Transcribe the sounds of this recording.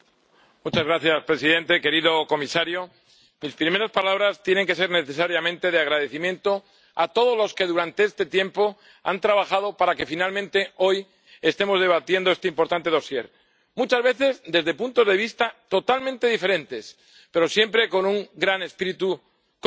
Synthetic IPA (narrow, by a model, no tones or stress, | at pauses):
mut͡ʃazɣɾaθjaspɾe̞siðe̞nt̪e̞ke̞ɾiðo̞ko̞misaɾjo̞ | mispɾime̞ɾaspalaβ̞ɾast̪jene̞ŋke̞se̞ɾne̞θe̞saɾjamẽ̞nt̪e̞ðeaɣ̞ɾaðe̞θimjẽ̞nt̪o̞ | at̪o̞ð̞o̞zlo̞ske̞ðuɾant̪e̞est̪e̞t̪je̞mpo̞ | a̰nt̪ɾaβaxað̞o̞paɾake̞finalmẽnt̪e̞o̞j | e̞st̪e̞mo̞zðe̞βat̪je̞nd̪oe̞st̪eimpo̞ɾt̪ant̪e̞ð̞o̞sje̞ɾ | mut͡ʃazβe̞θe̞zd̪e̞zðe̞punt̪o̞zðe̞β̞ist̪at̪o̞t̪almẽnt̪e̞ðife̞ɾẽ̞nt̪e̞s | pe̞ɾo̞sje̞mpɾe̞ko̞nuŋɡɾane̞spiɾit̪u | k